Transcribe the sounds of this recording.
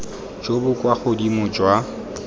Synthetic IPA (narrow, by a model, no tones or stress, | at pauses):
d͡ʒobʊkʼwaχʊdimʊd͡ʒwa